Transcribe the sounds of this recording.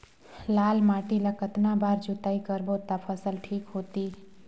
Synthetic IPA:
laːlmaːʈilakət̪nabaːɾd͡ʒut̪aːikəɾbot̪apʰəsəlʈʰiːkɦot̪i

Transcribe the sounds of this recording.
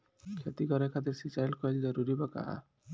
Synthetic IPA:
kʰet̪ikɔɾekʰat̪iɾsit͡ʃajlkɔild͡ʒɔɾuɾibaka̰a̰

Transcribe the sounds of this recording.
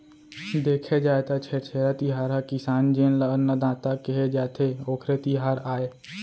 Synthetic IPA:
d̪eːkʰed͡ʒaːet̪at͡ʃʰeɾt͡ʃʰeːɾat̪iɦaːɾɦakɪsaːnd͡ʒeːnlaənːad̪ãːt̪akeɦed͡ʒaːt̪ʰeoːkʰɾet̪iɦaːɾaːeː

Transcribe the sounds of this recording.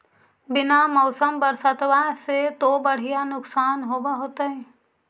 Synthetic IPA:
bɪnamɔːsəmbɐɾsət̪ʋaset̪obɐɽ̤ijanʊksaːnɦoːbaɦoːt̪aɦɛː

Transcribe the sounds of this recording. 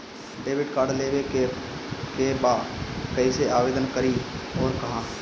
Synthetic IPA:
ɖeːʋɪɖkaːɾɖleːʋe | kebaːkɐiseaːʋeːd̪ənkɐɾiɔːɾkɐɦãː

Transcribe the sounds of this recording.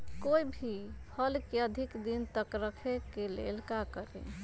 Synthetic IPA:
koibʱipʰəlkeəd̪ʱikd̪int̪əkɾəkʰekelḛlkakəɾḛ

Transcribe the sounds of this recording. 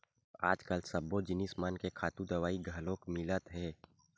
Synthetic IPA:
a̰ːd͡ʒkəlsɐbːod͡ʒɪnɪsmaːnkekʰaːt̪ũd̪ɐʋaːiɡʱɐlõkmɪlət̪ɦɛː

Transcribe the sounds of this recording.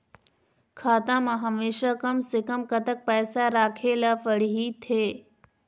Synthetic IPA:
kʰaːt̪ãːmãɦəmeːʃakəmsekəmkɐt̪ək̚pɛːsaɾaːkʰelafəɽ̤iɦit̪ʰeː

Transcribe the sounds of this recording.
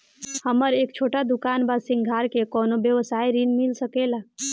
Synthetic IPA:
həməɾek̚t͡ʃʰoʈad̪ukanbasĩŋɡʱaɾkekɔnobjəʋəsaiɾinmilsəkela

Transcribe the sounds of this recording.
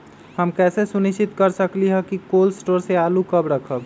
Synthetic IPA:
həmkɛːsesuniʃt͡ʃit̪kəɾsəkliɦəkikoːlsʈoːɾseaːlukəbɾəkʰəb

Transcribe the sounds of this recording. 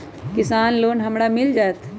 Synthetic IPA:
kɪsaːnloːnɦəmɽamɪld͡ʒaːt̪ʰ

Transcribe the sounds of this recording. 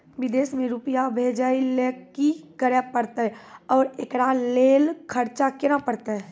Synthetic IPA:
ʋɪd̪eːsmẽɾʊpjabʱeːd͡ʒailekikəɾapəɾt̪aɦɛɔːɾekɾaleːlkʰəɾt͡ʃakɪɾapəɾt̪aɦɛ

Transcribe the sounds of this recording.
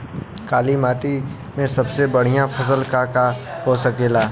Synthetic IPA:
kaːlimaːʈi | mẽsɐbsebəɽ̤ijãpʰɐs̬əlkakakoːsəkeːlaː

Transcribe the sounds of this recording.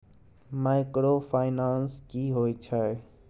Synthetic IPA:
maːɪkɽoːfʰaːɪnaːnskiːɦoːit͡ʃʰae

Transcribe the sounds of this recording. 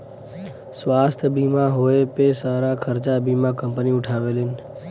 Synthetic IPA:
sʋast̪ʰbʱimãɦoepesaɾakʰəɾt͡ʃabʱimãkəmpəniʊʈʰaʋelen

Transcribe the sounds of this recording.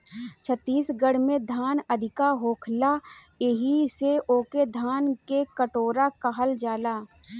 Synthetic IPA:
t͡ʃʰət̪ːiːsɡəɽmẽd̪ʱaːnəd̪ʱɪkaɦoːkʰla | eɦiseʔoːked̪ʱaːnkekəʈoːɾakaɦəld͡ʒaːlaː

